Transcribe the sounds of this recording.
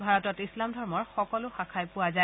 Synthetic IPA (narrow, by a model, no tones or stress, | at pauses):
bʱaɹɔtɔtislamdʱɔɹmɔɹxɔkɔlʊxakʰajpʊaza